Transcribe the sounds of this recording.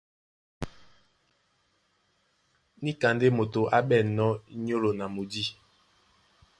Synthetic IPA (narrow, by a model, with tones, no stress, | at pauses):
ni˦ka˨nde˦mo˨to˨ʔa˦ɓɛ˦˨nɔ˦ɲo˦lo˨na˨mo˨di˦